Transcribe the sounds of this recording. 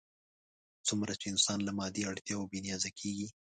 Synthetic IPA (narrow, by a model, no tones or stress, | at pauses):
t͡sʊmɾat͡ʃeɪnsɑnlamɑd̪iaɽt̪jɑabenijɑzakʰeɡi